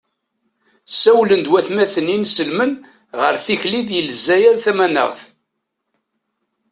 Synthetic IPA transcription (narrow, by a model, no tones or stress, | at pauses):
sæwlənd̪wæθmæθənːinsəlmən | ʁəɾθiçliðjəlzːæjæɾθæmænə̰ʁθ